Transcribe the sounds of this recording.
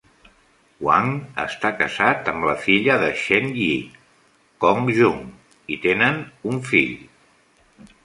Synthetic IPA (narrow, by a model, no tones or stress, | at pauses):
wa̰ŋə̰st̪akəzat̪əmləfiʎəðəʃɛnʎi | kɔŋʒuŋ | it̪enənuɱfiʎ